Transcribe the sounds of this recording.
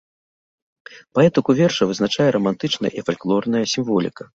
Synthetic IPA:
paɛt̪ɨkuvʲɛrʂɐvɨznat͡ʂajɛɾɐmant̪ɨt͡ʂnɐj̰ʔifalʲklˠɔrnɐjɐsʲimvɔlʲḭkɐ

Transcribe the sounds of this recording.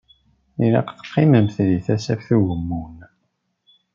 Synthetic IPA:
iɾɑ̰qθə̥qːɪməmθðiθæsæfθuʝəmːun

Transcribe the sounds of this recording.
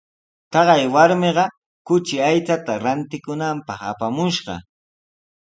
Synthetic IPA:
t̪ɑɢɑjwaɾmeɢɑ | kʊt͡ʃɪajt͡sat̪aɾant̪ɪkʊnampɑχa̰pamʊʃɢɑ̰

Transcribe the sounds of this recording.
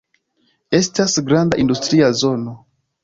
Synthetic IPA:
e̞stasɡɾandaʔindustɾiazo̞no̞

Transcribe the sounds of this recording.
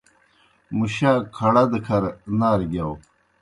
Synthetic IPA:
muɕaːkʰɐɽad̪əkʰɐɾnaːɾɡaw

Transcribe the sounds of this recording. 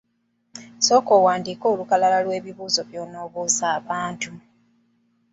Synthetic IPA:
so̞ːko̞ːwaːndiːko̞ːlukalalalwe̞ːβiβuːzo̞βjoːno̞ːβuːzaːβaːntu

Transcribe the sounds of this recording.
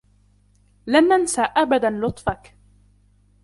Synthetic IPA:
lamʔansaʔabad̪anlʊt̪ˤfak

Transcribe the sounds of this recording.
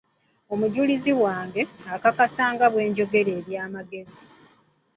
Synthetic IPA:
o̞muɟuliziwaːŋɡe̞akakasaːŋɡaβwe̞ːɲɟo̞ɡe̞ɾe̞ːβjaːmaɡe̞zi

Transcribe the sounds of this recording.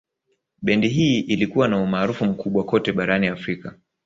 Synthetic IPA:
ɓɛndiɦiːʔilikuwanaumaːɾufum̩kʰuɓwakɔtɛɓaɾaniafɾika

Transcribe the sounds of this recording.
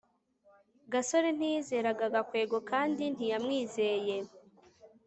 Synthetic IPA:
ɡaso̞ɾe̞n̥ize̞ːɾaɡaɡakwe̞ːɡo̞kaːndin̥ijamŋiːze̞je̞

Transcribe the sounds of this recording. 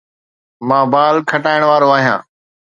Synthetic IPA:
mãːbaːlkʰəʈaːɪɽ̃ʋaːɾoːaːɦijã̰ː

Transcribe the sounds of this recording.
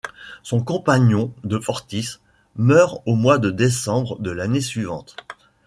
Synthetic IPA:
sɔ̃kɔ̃paɲjɔ̃d̪əfɔʁt̪is | mœʁomwad̪əd̪esɑ̃bʁd̪əlanesɥivɑ̃t̪

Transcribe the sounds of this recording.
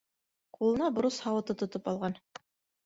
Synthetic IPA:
qulˠɤ̆nɑb̆ɾushɑwɤ̆t̪ɤt̪ŏt̪opɑlˠʁɑn

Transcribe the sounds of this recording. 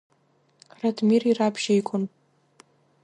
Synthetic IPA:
radʰmirirapʰʃejkʷʼʊn

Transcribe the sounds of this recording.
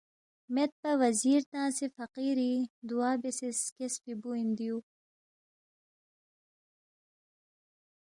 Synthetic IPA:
met̪̚pɐwɐziːɾt̪ãːsefɐqiːɾid̪uaːbeseskesfibuind̪iju

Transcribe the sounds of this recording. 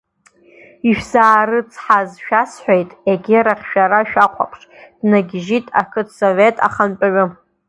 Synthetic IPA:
iʃᶣzaːɾɨt͡sʰʼħazʃᶣasħʷejtʼeɡʲiɾaχʲʃᶣaɾaʃᶣaqʷʰa̰pʰʂʼd̥naɡʲʒitʼa̰kʰɨtʰsove̞tʼa̰χanpʼaɥʊ

